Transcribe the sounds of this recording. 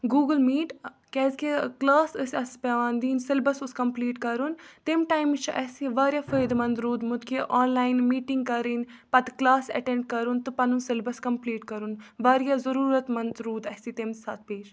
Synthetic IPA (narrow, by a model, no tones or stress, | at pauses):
ɡuːɡəlmiːʈ | kɛːzkeklaːsəsʲɐspeʋaːnd̪iːnsɪlbɐsʊskɐmpliːʈkɐɾunt̪emʈaːjmt͡ʃʰʔɛsiʋaːɾjaːfɐjd̪mɐnd̪ɾuːd̪mʊt̪keʔɔːnlaːjnmiːʈɪŋɡ̚kɐɾiːnpɐt̪klaːsɐ̰ʈẽɳɖ̚kɐɾunt̪ɨpɐnunsɪlbɐskɐmpliːʈkɐɾunʋaːɾjaːzɐɾuːɾət̪mɐnd̪ɾuːd̪ɛːsit̪emsɐt̪̚ʰpeːt͡ʃ